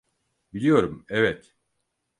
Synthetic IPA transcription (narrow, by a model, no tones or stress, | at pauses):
bilʲijo̞ɾumɛvɛt̪